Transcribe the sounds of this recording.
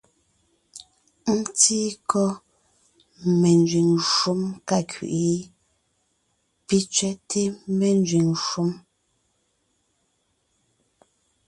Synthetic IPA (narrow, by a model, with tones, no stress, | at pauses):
n̩˦ti˦kʰɔ˦ | me˨nd͡ʒɥi˨ŋʃu˦mka˦kʰɥḭ˨ʔi˨˦ | pi˦t͡ʃɥɛ˦tʰe˦me˨n˦d͡ʒɥi˨ŋʃu˦m